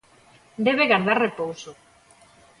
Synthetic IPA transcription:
d̪eβ̞eɣaɾðaɾrepowso

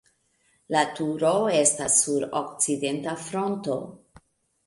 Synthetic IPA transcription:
latuɾo̞e̞stasːuɾo̰k̚t͡side̞ntafɾo̞nto̞

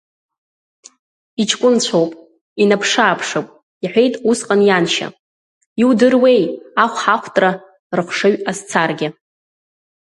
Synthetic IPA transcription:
it͡ʃʰkʷʼʊnt͡ɕʷʰowpʼ | inapʰʂaːpʰʂowpʼ | iħʷᶣe̞jtʼusqʼanjanʃa̰ | iwdɨrwe̞jaχʷħaχʷtʼra | rɨχʷʂɨɥast͡sʰarɡʲɪ

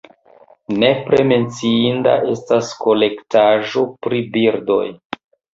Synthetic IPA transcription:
ne̞pɾe̞me̞nt͡siinda̰ʔe̞stasko̞le̞ktaʒo̞pɾibiɾdo̞̰j

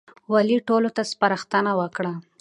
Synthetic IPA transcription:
waliʈolot̪aspaɾaxt̪ənawəkɽa

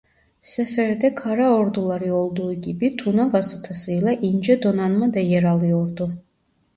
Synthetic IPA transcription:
sɛfɛɾd̪ɛkʰaɾaɔɾd̪ulˠaɾiɔlˠd̪uɡʲibit̪ʰunavasit̪ʰasɨjlˠaʔind͡ʒɛd̪ɔnanmad̪ajɛɾalˠijɔɾd̪u

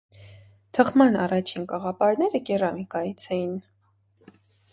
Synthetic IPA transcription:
t̪ʰəχmɑnɑrɑt͡ʃʰinkɑʁɑpɑɾnɛɾəkɛrɑmikɑjit͡sʰɛjin

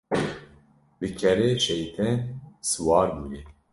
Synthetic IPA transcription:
bɨkʰɛɾeːʃɛjt̪ʰɛnsɨwɑːɾbuje

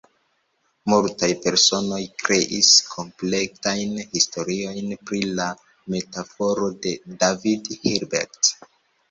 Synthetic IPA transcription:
multajpe̞ɾso̞no̞jkɾe̞ʔiskʰo̞mplek̚tajnhisto̞ɾio̞jnpɾila | me̞tafo̞ɾo̞de̞davidhiɾbḛɾt

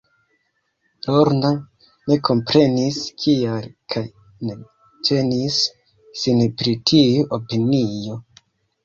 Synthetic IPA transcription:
loɾna | ne̞kʰo̞mpɾe̞niskʰialkʰaj | ne | te̞nisː | inpɾitʰijuʔopinijo̞

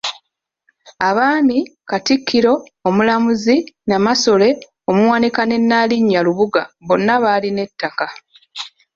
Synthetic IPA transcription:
aβaːmikatikʰːiɾo̞ː | mulamuzinamaso̞le̞ | o̞muwaːnikane̞nːaːliɲːaluβuɡaβo̞nːaβaːline̞tːaka

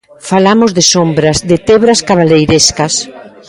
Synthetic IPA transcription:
falamʊzðɪsombɾɐzd̪ɪt̪eβɾaskaβalejɾeskɐs

